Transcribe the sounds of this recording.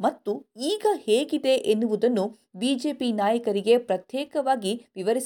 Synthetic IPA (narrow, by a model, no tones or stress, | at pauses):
mɐt̪ːuiːɡɐheːɡid̪e̞ʔenːuʋud̪ɐnːu | biːd͡ʒe̞ːpinaːjɐkɐɾiɡe̞pɾɐt̪jɛːkɐʋaːɡiʋiʋɐɾis